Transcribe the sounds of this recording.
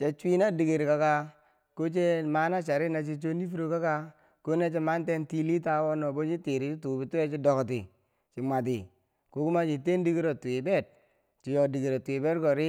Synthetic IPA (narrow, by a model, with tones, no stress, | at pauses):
t͡ʃe˦t͡ʃʷi˦na˦di˨ɡi˨ɾka˨ka˦ | ko˦t͡ʃe˦ma˦na˦t͡ʃa˨ɾi˦na˨t͡ʃi˦t͡ʃo˦ni˦fi˦ɾo˦ka˦ka˦ | ko˦ne˦t͡ʃe˦ma˦n˦te˦nti˦li˦ta˦wo˦no˨bo˦t͡ʃi˦ti˨ɾi˨t͡ʃi˦tuː˨bi˨tu˦e˦t͡ʃi˦do˨kt̬i˨ | t͡ʃi˨mʷa˨t̬i˨ | ku˨˦ku˦ma˦t͡ʃi˨te˦ndi˦ki˦ɾo˨twi˨be˦˨t̚ | t͡ʃi˨jo˨di˨ɡi˨ɾo˨ti˨be˦tko˨ɾi˦